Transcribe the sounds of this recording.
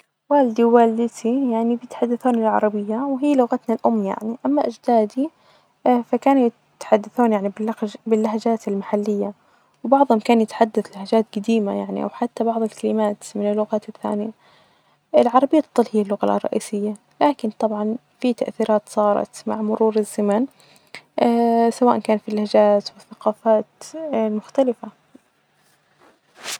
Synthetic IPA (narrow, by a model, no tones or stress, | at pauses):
waːld̪iwaːld̪ɪt̪ijaʕnibjɪt̪ħad̪ːaθuːnɪlʕɑ̰ɾˤɑbɪjːawɦiːlʊɣat̪nalʔʊmːja̰ʕniʔamːaʔad͡ʒd̪aːd̪i | fakaːnujɪ | t̪ħad̪ːaθuːnjaʕnibɪlːabɪlːaɦad͡ʒaːt̪ɪlmaħalːɪjːa | wbɑʕðˤhʊmkaːnjɪt̪ħad̪ːaθlahad͡ʒaːt̪ɡad̪iːmajaʕnḭʔa̰wħat̪ːabɑʕðˤɪlkalɪmaːt̪mɪnɪlːʊɣaːt̪ɪθːa̰ːnɪja | ɪlʕɑɾˤɑbɪjːat̪ɑt̪ˤːɑlhɪjːalːʊɣa̰lʔrˤːɑ̰ʔḭːsɪjːa | laːkɪnt̪ˤɑbʕɑn | fit̪aʔθiːɾɑːt̪sˤɑːɾˤɑ̰t̪ma̰ʕmʊɾuːɾɪzːaman | sawaːʔakaːnfilːahd͡ʒaːt̪wɪθːaqɑːfaːt̪lmʊxt̪alɪfa